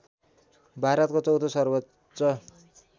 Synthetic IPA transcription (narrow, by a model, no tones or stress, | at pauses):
bʱaɾʌt̪̚kot͡sʌwt̪ʰosʌrbʌ | t͡sʌ